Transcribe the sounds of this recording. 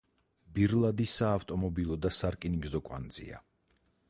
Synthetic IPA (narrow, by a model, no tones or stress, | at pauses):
biɾlˠad̪isaːft̪ʼɔmɔbilˠɔd̪asaɾkʼiniɡzɔkʼwa̰nd̪z̥ḭa̰